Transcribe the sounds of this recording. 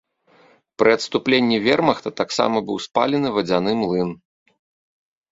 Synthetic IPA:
pɾʔɨɐt̪st̪uplʲenʲːivʲɛrmɐxt̪ɐt̪aksa̰mɐbɨwspa̰lʲɛnɨvɐd͡zʲanɨmlˠɨn

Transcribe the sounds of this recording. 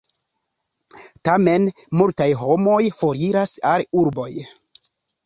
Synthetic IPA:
tamen | multajɦo̞mo̞jfo̞ɾiɾasaluɾbo̞j

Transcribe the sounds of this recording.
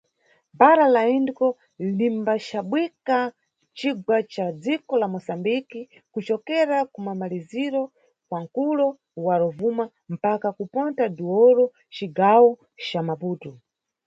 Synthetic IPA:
baɾalaindikɔ | limbat͡ʃaɓwika | t͡ʃiɡwat͡ʃad͡zikɔlamɔsambiki | kut͡ʃɔkɛɾakumamaliziɾɔ | kwaŋ̩kulɔ | waɾɔvuma | m̩pakakupɔntaduwɔɾɔ | t͡ʃiɡawɔ | t͡ʃamapuːtɔ

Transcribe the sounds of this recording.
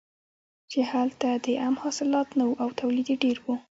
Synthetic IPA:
t͡ʃehalt̪ad̪əʔamhɑsɪlɑt̪nawuʔawt̪awlid̪eɖeɾwu

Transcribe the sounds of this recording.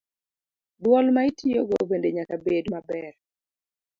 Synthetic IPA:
dwɔlmaitʰioɡɔ̰bendeɲakabedmabɛr

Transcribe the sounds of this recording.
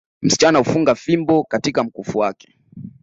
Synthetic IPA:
m̩si̥t͡ʃanahufuŋɡafimbɔkatikam̩kufuwakɛ̥

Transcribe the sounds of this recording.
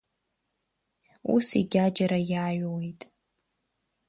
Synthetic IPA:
ṵsḭɡʲad͡ʒaɾajaːɥwejtʼ

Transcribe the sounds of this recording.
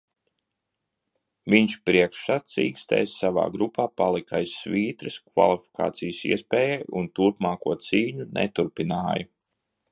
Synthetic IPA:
viɲʃpɾiɛkʃat̪siːkst̪ɛ̰ːsːava̰ːɡɾupaːpalˠikajsːviːt̪ɾɨskva̰lˠifi̥kʰa̰ːt̪sijəsḭɛspɛːjɛjunt̪uɾpmaːkuɔt̪siːɲunʔɛ̰t̪uɾpinaːjɐ

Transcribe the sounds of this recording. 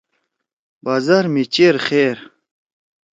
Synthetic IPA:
baːzaɾmit͡ɕeɾχeːɾ

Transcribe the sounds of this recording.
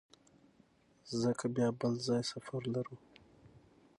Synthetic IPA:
zəkʰabjɑbəlzɑjsafaɾlaɾu

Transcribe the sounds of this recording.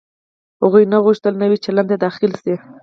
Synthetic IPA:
haɣujnaɣuʃt̪əlnawit͡ʃeland̪ed̪ɑxɪlse

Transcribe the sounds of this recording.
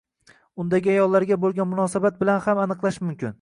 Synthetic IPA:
ʊnd̪aɡʲɪajɒlˠːaɾɡʲabolˠɡʲanmʊnɒsabat̪̚bɪlanhamanɨqlˠaʃmʊmkʲɪn

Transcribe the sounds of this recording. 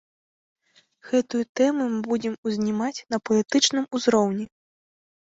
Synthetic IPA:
ɣɛt̪ujut̪ɛmumɨbud͡zʲɛmuzʲnʲimat͡sʲnɐpɐlʲit̪ɨt͡ʂnɨmuzɾɔwnʲɛ

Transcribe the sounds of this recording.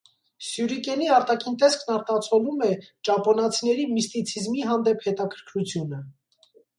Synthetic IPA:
sjuɾikɛniɑɾt̪ɑkʰint̪ɛskʰnɑɾt̪ɑt͡sʰɔlumɛt͡ʃɑpɔnɑt͡sʰinɛɾimist̪it͡sʰizmiɦɑnd̪ɛphɛt̪ɑkʰəɾkʰɾut͡sʰjunə

